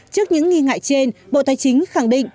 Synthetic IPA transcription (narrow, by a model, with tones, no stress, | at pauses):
t͡ɕɨ˦˥ək̚ɲɨ̰˧˥ŋːi˧ŋa̰ː˧˨jt͡ɕe˧nɓo̰˧˨t̪aː˨˧˦jt͡ɕï˨˦ŋ̟xa˧˩ŋɗḭ˧˨ŋ̟